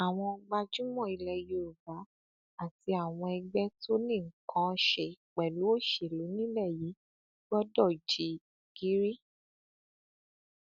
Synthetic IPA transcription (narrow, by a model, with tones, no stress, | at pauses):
a˨w̃ɔ̃˧ɡ͡ba˧d͡ʒu˦mɔ̃˦˨i˧lɛ˧˨jo˨˦o˨ba˨˦ | a˦˨ti˧˦a˨w̃ɔ̃˧ɛ˧ɡ͡bɛ˦tʰo˦nĩ˦˨ŋ̩˨˦kʰã˧˦˧ʃɛ˨i˨k͡pɛ˨lu˨˦o˦˨ʃe˨lu˨˦nĩ˦lɛ˦˨ji˨˦ | ɡ͡bɔ˦dɔ˦˨d͡ʒi˧ | ɡ̥i˨˦ɾi˦